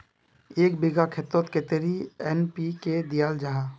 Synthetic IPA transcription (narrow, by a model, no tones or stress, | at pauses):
eːk̚biɡakʰet̪ot̪ket̪eɾiɛnpiked̪ijaːld͡ʒaɦa